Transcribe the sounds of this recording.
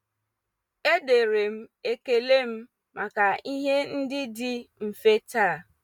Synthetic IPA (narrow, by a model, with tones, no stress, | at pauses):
e˦de˨ɾe˨m̩˦e˦ke˨le˦m̩˦ | mʔa˨ka˨i˦ɦe˦n̩˦dɪ˦dɪ˦m̩˨fe˦ta˦˨